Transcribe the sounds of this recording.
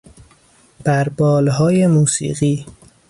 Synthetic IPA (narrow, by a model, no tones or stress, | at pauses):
b̥æɾbɒːlɦɒːjemuːsḭːɢiː